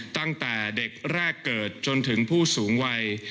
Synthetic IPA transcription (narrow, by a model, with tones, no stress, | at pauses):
t̪a˥˩ŋt̪ɛː˨˩de˨˩k̚ɾɛː˥˩kːɤː˨˩t̪̚t͡ɕo˧nt̪ʰɯ˩˦ŋpʰuː˥˩suː˩˦ŋwa˧j